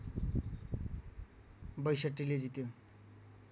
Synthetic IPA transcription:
bəjɕəʈːiled͡zit̪jo

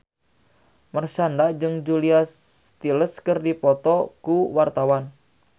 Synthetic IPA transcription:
mərsandad͡ʒɨŋd͡ʒuliast̪iləskɨrdipɔt̪ɔkuwart̪awan

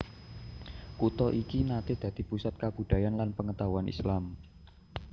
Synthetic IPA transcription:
kut̪ɔʔikinat̪ɪhd̪̥ä̤d̪̥i̤pusat̪̚kab̥ṳd̥̪a̤janlanpəŋət̪auanʔḭslam

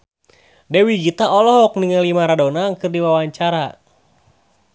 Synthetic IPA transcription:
dɛwiɡit̪aɔlɔɦɔk̚niŋalimaɾadonaŋkɨrdiwawaɲt͡ʃaɾa

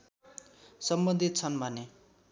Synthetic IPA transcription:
sʌmbʌnd̪ʱit̪̚t͡sʰʌnbʱʌne

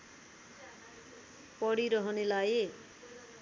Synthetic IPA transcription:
pʌɽiɾʌɦʌnelaje

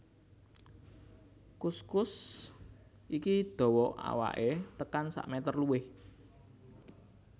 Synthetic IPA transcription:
kuskʊs | ʔikid̪̥ɔ̤wɔa̰wa̰ʔet̪əkansa̰ʔmet̪ərluɪh

